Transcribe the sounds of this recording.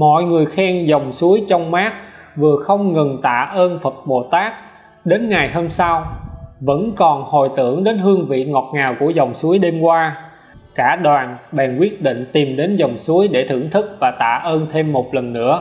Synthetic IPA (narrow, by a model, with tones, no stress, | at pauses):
mɔ̰˧˨jŋɨ˨˩əjxɛ˧ŋzə˨˩wŋ͡msu˨˦əjt͡ɕɔ˧wŋ͡mmaː˦˥k̚ | vɨ˨˩əxə˧wŋ͡mŋə˨˩nt̪a̰ː˧˨ʔəː˧nfə˨˩t̚ɓo˨˩t̪aː˦˥k̚ | ɗe˨˦nŋa˨˩jho˧msa˧wvə̰˧˥nkɔ˨˩nho̰˧˨jt̪ɨ̰˧˩əŋɗe˨˦nɦɨ˧əŋvḭ˧˨ŋɔ˨˩t̚ŋaː˨˩wku˧˩əzɔ˨˩wŋ͡msu˨˦əjɗe˧mkwaː˧ | kaː˧˩ɗwaː˨˩nɓɛ˨˩ŋkwi˦˥ət̚ɗḭ˧˨ŋ̟t̪i˨˩mɗe˨˦nzə˨˩wŋ͡msu˨˦əjɗe˧˩t̪ʰɨ˧˩əŋt̪ʰɨ˦˥k̚vaː˨˩t̪a̰ː˧˨ʔəː˧nt̪ʰe˧mːo˨˩t̚lə˨˩nːɨ̰˧˥ə